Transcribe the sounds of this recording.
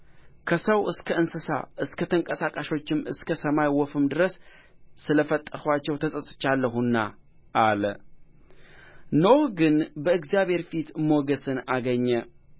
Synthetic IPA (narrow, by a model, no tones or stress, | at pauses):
kʰəsəwʔɨskʰəɨnsɨsa̰ʔɨskʰət̪ʰəŋkʼəsakʼaʃo̞t͡ʃːɪmɨskʰəsəmajwɔfɨmd̪ɨɾəsː | ɨləfət̪ʼːəɾhʷat͡ʃːɛwt̪ʰəsʼəsʼɨ̥t͡ʃːalːəɦunːa | ʔalə | nohɡɨnbəɨɡzjaβhe̞ɾfit̪moɡəsɨnaɡəɲːə